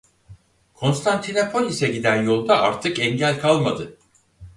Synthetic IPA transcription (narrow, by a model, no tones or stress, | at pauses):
kʰo̞nst̪ʰant̪ʰinapʰo̞lʲisɛɟid̪ænjo̞lˠd̪aaɾt̪ʰɯkɛɲɟælʲkʰalˠmad̪ɯ